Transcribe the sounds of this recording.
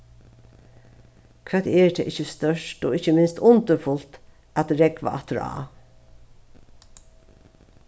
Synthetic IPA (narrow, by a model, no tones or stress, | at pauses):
kʰv̥ɛːt̪eːɹd̪ʰɛ̰ʔɪçəst̪œʃʈo̰ːɪçəmɪnst̪ʊnt̪əfʊlt̪ | ʔæt̪ɾɛɡʋa̰ʔɑ̰t̪əɾɑ̰ː